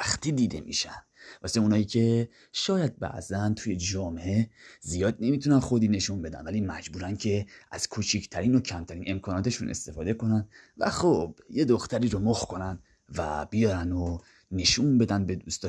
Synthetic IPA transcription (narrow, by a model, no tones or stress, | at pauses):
æxt̪iːd̪iːd̪e̞̰mḭʃæn | vɒ̰seunɒːiːcʲʰe̞ | ʃɒːjæd̪̚bæ̰ʔzænt̪ʰuje̞d͡ʒɒːmeʔezijɒːd̪ne̞miːt̪ʰunænxo̞d̪iːne̞ʃunbe̞d̪æ̰nvæliːmæd͡ʒbuːɾæncʰe̞æz̥kʰut͡ʃʰicʰt̪ʰæɾiːno̞cʰæmt̪ʰæɾiːne̞mkʰɒːnɒːt̪ʰe̞ʃunʔe̞̰st̪e̞fɒːd̪e̞ko̞næn | væ̰xobje̞d̪o̞xt̪æɾiːɾomohkʰo̞næn | væ̰b̥ijɒːɾæno | ne̞ʃunbe̞d̪ænbe̞d̪ust̪ɒ